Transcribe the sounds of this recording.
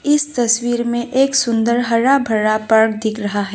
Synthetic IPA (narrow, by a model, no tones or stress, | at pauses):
ɪst̪ɐswiːɾmẽʔeːksʊ̃nd̪əɾɦɐɾabʱɐɾapɐɾɽd̪ɪkʰɾɐɦaɦɛː